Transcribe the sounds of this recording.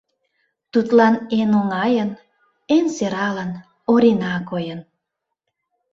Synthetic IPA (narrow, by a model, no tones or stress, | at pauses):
t̪ut̪lɑnenoŋɑjən | enseɾɑlən | oɾinɑkojən